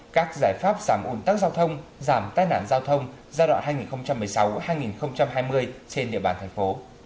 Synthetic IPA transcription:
kaː˦˥k̚zaː˧˩jfaː˦˥p̚zaː˧˩mʔu˨˩nt̪aː˦˥k̚zaː˧wt̪ʰə˧wŋ͡mzaː˧˩mt̪aː˧jna̰ː˧˨nzaː˧wt̪ʰə˧wŋ͡m | zaː˧ɗwa̰˧˨nɦaː˧jŋi˨˩nxə˧wŋ͡mt͡ɕa˧mːɨ˨˩jsa˨˦whaː˧jŋi˨˩nxə˧wŋ͡mt͡ɕa˧mɦaː˧jmɨ˧əjt͡ɕe˧nɗḭ˧˨əɓaː˧˩nt̪ʰŋ̟fo˨˦

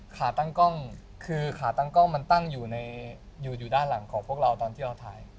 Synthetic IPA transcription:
kʰaː˩˦t̪a˥˩ŋkɔ˥˩ŋ | kʰɯː˧kʰaː˩˦t̪a˥˩ŋkɔ˥˩ŋma˧nt̪a˥˩ŋjuː˨˩na˧j | juː˨˩juː˨˩daː˥˩nla˩˦ŋkʰɔː˩˦ŋpʰu˥˩ək̚ɾa˧wt̪ɔː˧nt̪ʰiː˥˩ɾa˧wt̪ʰa̰ː˧j

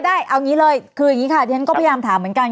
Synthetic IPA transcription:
daː˥˩jʔa˧wŋiː˦˥ləː˧jkʰɯː˧jŋiː˨˦˥kʰa˧˥˩t̪iː˧˩a˦nkɔː˥˩pʰːjaː˧mt̪ʰaː˩˦mːɯ˩˦ənka˧n

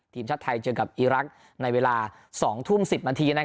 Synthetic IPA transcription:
t̪ʰiː˧˩mt͡ɕʰa˦˥˩t̪ʰːa˧jt͡ɕɤ˧ka˨˩p̚ʔiː˧ɾa˦˥k̚ | na˧jweː˧laː˧ | sɔː˩˦ŋt̪ʰu˥˩msi˨˩p̚naː˧nt̪ʰiː˧na˦˥

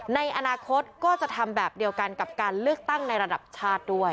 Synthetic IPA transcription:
na˧jʔa˧naː˧kʰo˦˥t̪̚kɔː˥˩t͡ɕa˨˩t̪ʰa˧mbɛː˨˩p̚di˧əwka˧nka˨˩p̚kaː˧nlɯ˥˩ək̚t̪a˥˩ŋna˧jɾa˧da˨˩p̚t͡ɕʰaː˥˩t̪̚du˥˩əj

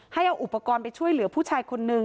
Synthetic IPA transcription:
ha˥˩jʔa˧wʔu˨˩pːa˧kɔː˧npa˧jt͡ɕʰu˥˩əjlɯ˩˦ɐpʰuː˥˩t͡ɕʰaː˧jkʰo˧nːɯ˨˧ŋ

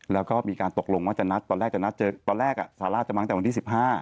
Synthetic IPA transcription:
lɛː˦˥wkɔː˥˩miː˧kaː˧nt̪o˨˩k̚lo˧ŋwaː˥˩t͡ɕa˨˩na˦˥t̪ːɔː˧nɾɛː˥˩t͡ɕa˨˩na˦˥t̪̚t͡ɕɤː˧t̪ɔː˧nɾɛː˥˩k̚ʔa̰˨˩saː˩˦laː˥˩t̪̚t͡ɕa˨˩ma˧˦ŋː˨˩wa˧nt̪iː˥˩si˨˩p̚ɦaː˥˩

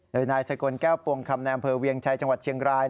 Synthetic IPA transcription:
doː˧jnaː˧jsa˧ko˧nkɛː˥˩wpu˧˩əŋkʰa˧mna˧jʔa˧mpʰɤː˧wi˧əŋt͡ɕʰa˧jt͡ɕa˧ŋwa˨˩t̪̚t͡ɕʰi˧əŋɾaː˧j

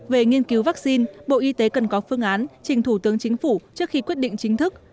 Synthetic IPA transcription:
ve˨˩ŋi˧ənki˨˦wvaː˦˥k̚si˧nɓo̰˧˨ʔi˧t̪e˨˦kə˨˩nkɔ˨˦fɨ˧əŋʔaː˨˦nt͡ɕï˨˩ŋ̟t̪ʰu˧˩t̪ɨ˨˦əŋt͡ɕï˨˦ŋ̟fu˧˩t͡ɕɨ˦˥ək̚xi˧kwət̚ɗḭ̈˧˨ŋ̟t͡ɕï˨˦ŋ̟t̪ʰɨ˦˥k̚

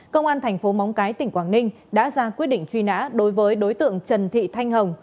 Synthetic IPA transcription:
kə˧wŋ͡mʔaː˧nt̪ʰɛ˨˩jŋ̟fo˨˦ma˨˦wŋ͡mkaː˨˦jt̪ï˧˩ŋ̟kwaː˧˩nnï˧ŋ̟ | ɗa̰ː˧˥zaː˧kwi˦˥ət̚ɗḭ˧˨ŋ̟t͡ɕwi˧na̰ː˧˥ɗo˨˦jvəː˨˦jɗo˨˦jt̪ɨ̰˧˨əŋt͡ɕə˨˩nt̪ʰḭ˧˨t̪ʰa˧jŋ̟ɦə˨˩wŋ͡m

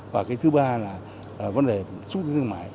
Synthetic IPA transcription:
vaː˨˩kaː˨˦jt̪ʰɨ˨˦ɓaː˧laː˨˩˨ | və˨˦nɗe˨˩sʊ˦˥i˨˦ɨ˧˩ma̰ː˨˦j

